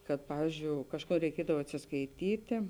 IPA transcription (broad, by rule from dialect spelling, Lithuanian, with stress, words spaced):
kɐt ˈpɑːʋʲiːzʲd͡ʒʲoːʊ ˈkɑːʃˌkuː rʲɛɪˈkʲiɛdɐw ɐtʲsʲɪskɐɪˈtʲiːtʲeː